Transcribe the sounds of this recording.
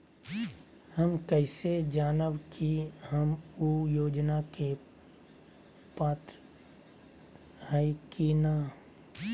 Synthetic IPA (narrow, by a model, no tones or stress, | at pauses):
həmkɛɪsed͡ʒaːnəbkʰihəmujoːd͡ʒnake | paːt̪ɾə | ɦəkina